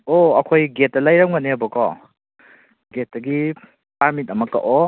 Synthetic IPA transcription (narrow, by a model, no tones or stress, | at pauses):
oɐkʰojɡet̚ːɐlajɾawŋanebɔkɔ | ɡet̚daɡi | paɾmit̚ɐmɐkːa̰ʔɔ